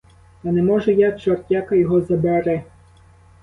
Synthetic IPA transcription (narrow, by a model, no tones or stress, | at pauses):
ɐnɛmɔʒɛjat͡ʃɔrtʲakɐjɔɦɔzɐbɛɾɛ